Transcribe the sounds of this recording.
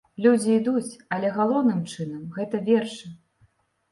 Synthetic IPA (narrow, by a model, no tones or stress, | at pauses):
lʲud͡zʲiːd̪ut͡sʲɐlʲɛɣalˠɔwnɨmt͡ʂɨnɐmɣɛt̪ɐvʲɛrʂɨ